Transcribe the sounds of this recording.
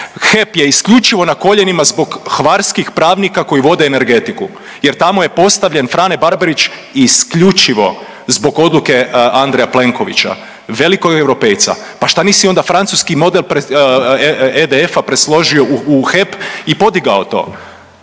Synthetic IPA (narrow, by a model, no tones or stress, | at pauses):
xe̞pje̞iskʎut͡ʃiʋo̞nako̞ʎe̞nimazbo̞ɡxʋaɾskixpɾaːʋnikako̞jiʋo̞d̪eːne̞ɾɡe̞t̪iku | je̞ɾt̪amoje̞po̞st̪aʋʎe̞nfɾaːnebaɾbaɾit͡ʃ | iskʎut͡ʃiʋo̞̰ | zbo̞ɡo̞d̪luke̞and̪ɾejaple̞ŋko̞ʋḭt͡ʃa̰ | ʋe̞likoɡewɾo̞pe̞jt̪sa̰ | paʃt̪aniːsio̞nd̪afɾant̪suskimo̞d̪e̞lpɾe | ed̪eefapɾeslo̞ʒio̞uuxepipo̞d̪iɡao̞t̪o̞̰ː